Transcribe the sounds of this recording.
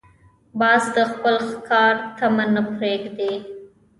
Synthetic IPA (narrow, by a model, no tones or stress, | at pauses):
bɑzd̪əxpəlkʰɑɾt̪amanapɾeɡd̪e